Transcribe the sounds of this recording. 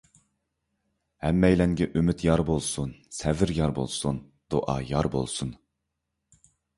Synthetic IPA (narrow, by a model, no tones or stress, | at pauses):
hɛmːɛjlɛŋɡʲɛʔymyt̪ʰjɑɾbolˠsunsɛvɪɾjɑɾbo̰lˠsun | d̪̥oʔɑ̰jɑɾbo̰lˠsun